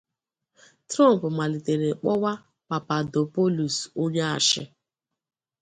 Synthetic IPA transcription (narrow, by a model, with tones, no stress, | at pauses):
tɾɔ˦m̩˨pʊ˨ma˨li˨te˨ɾe˨k͡pɔ˦wa˦ | pa˨pa˨do˨po˦lu˨so˦ɲe˦a̰˨ʃɪ̰˦